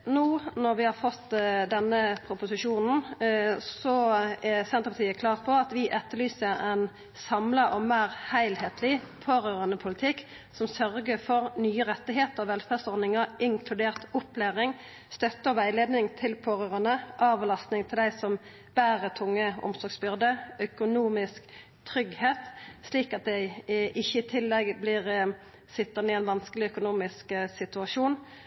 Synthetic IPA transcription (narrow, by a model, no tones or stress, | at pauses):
nuːnɔʁʋɪhɑːɾfɔt̪ːd̪ɛnːəpʰɾʊpʊsɪʃuːnn̩sɔɛsɛnt̪əpɑt̪ʰiːəkʰlɑːʁt̪pʰɔɑt̪ʋɪʔɛt̪ːəʁlyːsəɛn | sɑmlɑʔɔmæːʁhæɪlheːt̪ʰlɪpʰoːɾøːʁɑnəpʰʊlɪt̪ʰɪkː | sɔmsœɾɡəfɔɾnyːəʁɛt̪ːɪɦeːt̪əʁɔʋɛlfæːʁst̪ɔɾd̪nɪŋəɾʔɪŋkʰlʉd̪eːʁt̪ʊplæːʁɪŋ | st̪œt̪ːəɔʋæɪleːd̪nɪŋt̪ʰɪlpʰoːʁøːʁɑnəʔɑːʋlɑst̪nɪŋt̪ʰɪld̪æɪsɔm | b̥æːʁət̪ʰʊŋːəʊ̰msɔɡsbʏʁd̪əœkʊnuːmɪsk | t̪ʰɾʏɡheːt̪sliːkɑt̪̚d̪ɛɪʔɪçːəɪt̪ʰɪlːɛɡblɪʁ | sɪt̪ːɑnɪæɪnʋɑnskəlɪœkʊnuːmɪsksɪt̪ʉɑʂuːn